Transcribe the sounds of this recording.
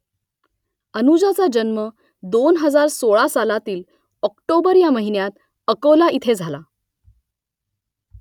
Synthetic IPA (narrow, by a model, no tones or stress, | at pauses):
ənud͡ʑat͡sad͡ʑənmə | d̪onɦəd͡zaɾsoɭasalat̪iːl | ɔkʈobəɾjaməɦinjat̪ | əkolaʔit̪ʰed͡zʱala